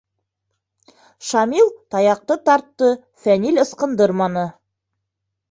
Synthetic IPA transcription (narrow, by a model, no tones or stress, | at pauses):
ʃɑmilˠt̪ʰɑjɑq̚t̪ət̪ʰɑɾt̪ːə | fænilʲəsqənd̪əɾmɑnə